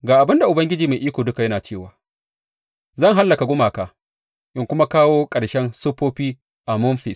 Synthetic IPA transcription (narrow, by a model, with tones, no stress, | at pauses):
ɡaː˨ʔa˨bɪ˦nda˨ʔʊ˨bɐ˦ŋɡʲɪ˦d͡ʒiː˨ma˨jʔiː˦kʷoː˨dʊ˦ka˨jɐ˦naː˨t͡ʃeː˦˨waː˨ | zɐ˦˨ŋɦa˦lːɐ˨ka˨ɡʷʊ˦maː˨kaː˨ | ʔɪ˦ŋkʷʊ˦ma˦kaː˦woː˦kʼɐ˨ʃɛ˦nsʊ˦ɸoː˦ɸiː˦ | ʔa˨mʊ˦nɸɪ˨s